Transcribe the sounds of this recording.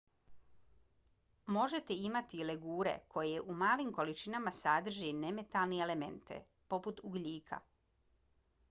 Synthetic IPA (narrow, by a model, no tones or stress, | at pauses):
mo̞ʒet̪eimat̪ileɡuːɾe̞̰kʰo̞jeʔumaːlimko̞lit͡ʃinamasad̪r̩ʒeneme̞t̪alˠneelemḛnt̪ḛ | po̞put̪uɡʎʲiːkʰa̰